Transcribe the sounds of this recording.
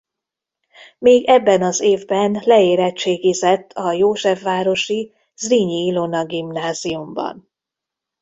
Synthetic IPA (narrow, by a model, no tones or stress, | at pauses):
meːɡɛbːɛnɒzeːvbɛnlɛeːɾɛt͡ʃːeːɡizɛt̪ʰːɒjoːʒɛfːaːɾo̞ʃi | zriɲilonɒɡimnaːziumbɒ̰n